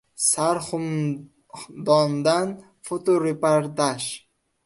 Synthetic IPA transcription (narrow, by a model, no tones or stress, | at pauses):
saɾχʊm | d̪ɒnd̪an | fot̪oɾepaɾd̪aʃ